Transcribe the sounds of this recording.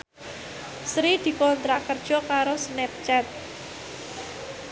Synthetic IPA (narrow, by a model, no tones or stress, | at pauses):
sɾid̪̥i̤kɔnt̪ɾaʔkərd̥ʒ̥ɔ̤kaɾosnɛp̚t͡ʃɛt̪̚